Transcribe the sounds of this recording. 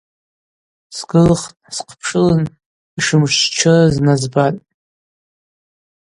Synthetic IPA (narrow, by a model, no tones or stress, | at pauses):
sɡɨlχtʼsqʰpʰʂɨlɨn | iʂɨmʒt͡ʃt͡ʃʰɨznazbatʼ